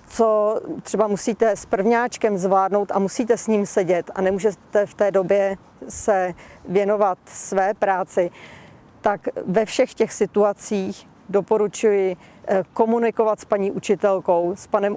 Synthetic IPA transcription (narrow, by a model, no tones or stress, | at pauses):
t͡sot̪r̥ɛbamusiːt̪ɛspr̩vɲaːt͡ʃkɛmzvlaːdnowt̪ʔamusiːt̪ɛsɲiːmsɛɟɛt̪a̰nɛmuːʒɛt̪ɛft̪ɛːdo̞bjɛ | sɛvjɛno̞vat̪svɛːpɾaːt͡sɪ | t̪akvɛfʃɛxcɛxsɪt̪uat͡siːx | dopo̞ɾut͡ʃujɪ | ko̞munɪkovat̪spaɲiːʔut͡ʃɪt̪ɛlko̞wspanɛm